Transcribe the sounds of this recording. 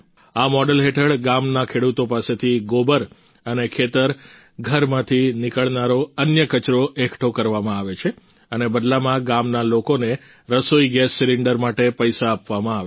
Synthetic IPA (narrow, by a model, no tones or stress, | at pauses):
amɔɖəlɦeʈʰəɭɡamnakʰeɽut̪opaset̪ʰiɡobəɾ | ənekʰet̪əɾ | ɡʱəɾmãt̪ʰinikəɭnaɾoənjəkət͡ʃɾoʔekʰʈʰokəɾʋamãaʋet͡ʃʰe | ənebəd̪lamãɡamnalokone | ɾəsoiɡɛsːiɾɪɳɖəɾmaʈepəjsaːpʋamãaʋe